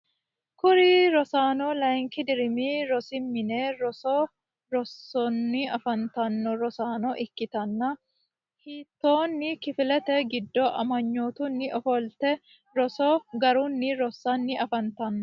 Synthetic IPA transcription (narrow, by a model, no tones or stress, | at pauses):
kʊɾɪɾɔsaːnɔlɐjŋkɪd̪ɪɾɪmiɾɔsɪmːɪneːɾɔsɔ | ɾɔsːɔnːɪɐfɐnt̪ɐnːɔɾɔsaːnɔʔɪkːɪt̪ɐnːɐ | hiːt̪ːoːnːɪkɪfɪlɛt̪ɛɡɪd̪ːɔʔɐ̰mɐɲːoːt̪ʊnːɪʔɔfɔlt̪ɛ | ɾɔsɔɡɐɾʊnːɪɾɔsːɐnːɪɐfɐnt̪ɐnːɔ